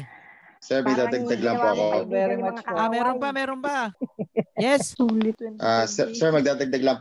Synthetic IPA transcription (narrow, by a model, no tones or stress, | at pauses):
sɛɹmɐɡd̪aːd̪ɐɡ̚d̪ɐɡlampoɐkoɛɾɐʔamɛːɾonbɐmɛːɾonbɐ | jɛsulɪt̪ʔaːsɛsɛɹmɐɡ̚d̪aːd̪ɐɡ̚d̪ɐɡlamp